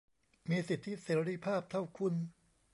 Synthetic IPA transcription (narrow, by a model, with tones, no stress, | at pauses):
miː˧si˨˩t̪ʰːi˦˥seː˨˩˦ɾi˦˥pʰaː˥˩p̚t̪ʰa˥˩wkʰu˧n